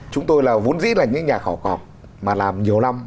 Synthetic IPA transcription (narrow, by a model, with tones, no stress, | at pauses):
t͡ɕʊ˨˦ŋ͡mt̪o˧jlaː˨˩vo̰˧˦˥nzḭ˧˥laː˨˩ɲɨ̰˧˥ŋɲaː˨˩xɔ˧˩kɔ̰˨˩k͡p̚ | maː˨˩laː˨˩mɲi˨˩əwla˧m